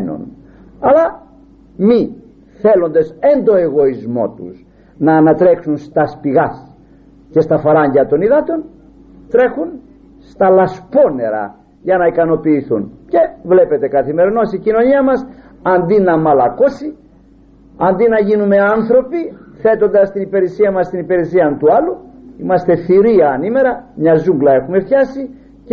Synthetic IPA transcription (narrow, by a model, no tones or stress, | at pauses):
no̰n | ɐlɐ | mi | θe̞lond̪e̞se̞nd̪o̞e̞ɣo̞izmo̞̰t̪ṵs | nɐːnɐt̪ɾe̞ksunst̪ɐspiɣɐs | ce̞st̪ɐfɐɾɐɲɟɐt̪o̞niðɐt̪o̞n | t̪ɾe̞xun | st̪ɐlɐspo̞ne̞ɾɐ̰ | ʝɐnɐikɐno̞piːθṵnce̞vle̞pe̞t̪e̞kɐθime̞ɾino̞sicino̞ɲiɐmɐs | ɐnd̪inɐmɐlɐko̞si | ɐnd̪inɐʝinume̞ɐnθɾo̞piθe̞t̪o̞nd̪ɐst̪inipeɾisiɐmɐst̪inipiɾesiɐnt̪uɐluimɐst̪e̞θiɾiɐːnime̞ɾɐmɲɐzuŋɡlɐe̞xume̞fçɐsi | c